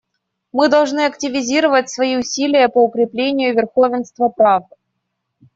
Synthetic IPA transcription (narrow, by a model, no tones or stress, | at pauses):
mɨd̪ɐlˠʐnɨɐktʲɪvʲɪzʲiɾəvətʲsvɐiʊsʲilʲɪjəpəʊkɾʲɪplʲenʲɪjʊvʲɪrxovʲɪnst̪vəpɾavd̪ɨ